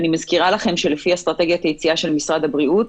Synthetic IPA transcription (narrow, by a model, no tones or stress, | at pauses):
nimazkiʁalaχe̞mʃe̞lefiast̪ʁat̪e̞ɡjat̪ajet͡siaʃe̞lmisʁad̪habʁiut